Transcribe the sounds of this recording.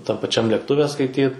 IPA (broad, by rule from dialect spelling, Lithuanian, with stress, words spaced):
tɐm pɐˈt͡ʃʲɛm lʲeːkˈtʊʋʲɛ skɐɪˈtʲiːt